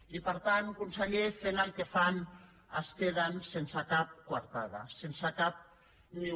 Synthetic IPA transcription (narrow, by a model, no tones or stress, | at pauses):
ipəɾt̪ankunseʎefenalˠkefan | əskeðansensakap̚kwaɾt̪aða̰sensakap̚ | mi